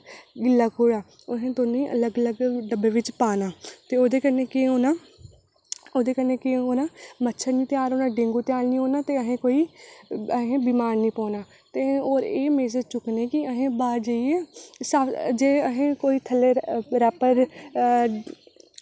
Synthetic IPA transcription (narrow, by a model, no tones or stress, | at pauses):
ɡɪlːaːkoːɽaː | oɦẽːt̪oːniːʔə̰ləɡələɡɖəbeːʋɪt͡ʃpaːnaːt̪eːoːd̪eːkəɾneːkeɦoːnaː | oːd̪eːkəɾnẽːkɪɦoːnaːmətːʃʰənĩːt̪ɪjaːɾoːnãːɖẽŋɡuːt̪ɪjaːlniːoːnaːt̪eːəɦẽːkoːiːəɦẽːbiːmaːɾnĩːpɔ̃ːnaː | t̪eːoːɾeːmeːzəd͡ʒt͡ʃʊkneːkɪəɦẽːbaːɾd͡ʒaːieːsaːd͡ʒeːəɦẽːkoːiːt̪ʰəleɾɛːpəɾ